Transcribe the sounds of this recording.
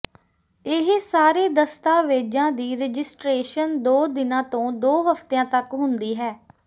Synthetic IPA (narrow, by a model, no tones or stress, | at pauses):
ɪɦsaːɾeːd̪əst̪aːʋeːd͡ʒãːd̪iːɾed͡ʒɪsʈɾeːʃənd̪oːd̪ɪnãːt̪õːd̪oːɦəpʰt̪ejãːt̪əkɦʊnd̪iːɦɛː